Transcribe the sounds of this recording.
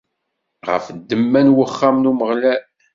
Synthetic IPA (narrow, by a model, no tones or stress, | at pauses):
ʁə̰fd̪ːəmːænwəχːamnuməʁlæ